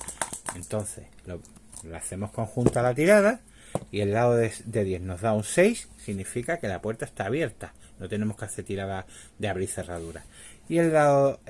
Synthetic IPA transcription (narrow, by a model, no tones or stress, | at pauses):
e̞nt̪o̞n̟θe̞̰slolaːθe̞mo̞hko̞ŋxunt̪alat̪iɾað̞a | ie̞lːaoðed̪e̞ðje̞hno̞zðaunse̞jsːiɣnifikake̞lapwe̞ɾt̪aest̪aːβje̞ɾt̪a | no̞t̪e̞ne̞mohkaθet̪iɾaða | d̪eaβɾiθe̞raðuɾaie̞lːao